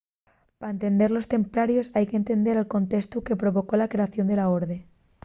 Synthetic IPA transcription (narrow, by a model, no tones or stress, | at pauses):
paɾaent̪e̞nd̪e̞ɾlo̞st̪e̞mpɾaɾjo̞sajkent̪e̞nd̪e̞ɾalko̞nt̪e̞st̪uke̞pɾo̞βo̞ko̞lakɾe̞aθjond̪e̞laoɾðe